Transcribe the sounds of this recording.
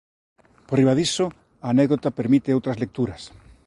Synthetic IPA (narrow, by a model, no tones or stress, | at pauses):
poriβaðiso | aːnɛɡðot̪apeɾmit̪ɪowt̪ɾɐzlek̚t̪uɾɐs